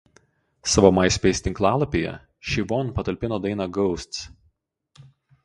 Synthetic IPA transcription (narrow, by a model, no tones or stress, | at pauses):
sɑʋoːmɐɪsʲpʲɛɪsʲt̪ʲɪŋklˠɑːlˠɐpʲejɛ̰ | ʃʲɪʋɔnˑpɐt̪ɐlʲpʲɪnoːd̪ɐɪnɑɡɔʊsʲt̪s